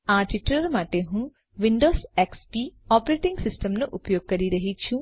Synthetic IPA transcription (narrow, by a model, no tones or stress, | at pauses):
aːʈiʈːɐlɐɾmaːʈeːɦũ | ʋiɳɖoːsekspiaːpɐɾeːʈiŋɡsisʈɐmnuʔupɐjoːɡ̚kɐɾiɾɐɦit͡ʃːu